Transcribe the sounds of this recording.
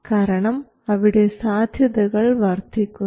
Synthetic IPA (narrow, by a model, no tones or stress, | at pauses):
kaːɾɐɳɐm | ɐʋɪɽeːsaːd̪ʱjɐðɐɣɐɭʋɐːɾt̪ɪkːɯ